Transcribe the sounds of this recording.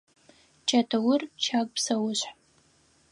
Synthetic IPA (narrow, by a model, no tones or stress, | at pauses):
t͡ʃʰʼɐtʰɐwʊrt͡ʃʰakʷʼpsɐwʊɕʷħ